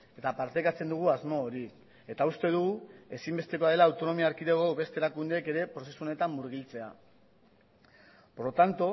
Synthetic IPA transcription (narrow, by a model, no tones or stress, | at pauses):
e̞t̪apaɾt̪ekat͡se̞nd̪uɣ̞uazmo̞ːɾi | e̞t̪aust̪e̞ð̞uɣue̞simbe̞st̪e̞ko̞aðe̞laːwt̪o̞no̞miaːɾkiðeɣo̞βe̞st̪eɾakund̪eke̞ɾe̞pɾo̞se̞suo̞ne̞t̪amːuɾɣilt͡se̞a | poɾot̪ant̪o